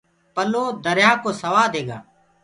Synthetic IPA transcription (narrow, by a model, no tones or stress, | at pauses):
pəloːd̪əɾjaːkoːsəʋaːd̪eːɡa̰ː